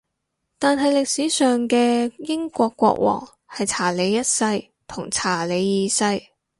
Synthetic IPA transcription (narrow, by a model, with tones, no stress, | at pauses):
t̪aː˨nɦɐ˨jlɪ˨k̚siː˨˥sœː˨ŋkɛː˧jɪ˥ŋkʷɔː˧kːʷɔ̰ː˧k̚wɔ̰ː˨˩ŋ | hɐ˨jt͡sʰaː˨˩le˨˧jːɐ˥t̚sɐ˧j | t̪ʰʊ˨˩ŋt͡sʰaː˨˩le˨˧jːiː˨˧sɐ˧j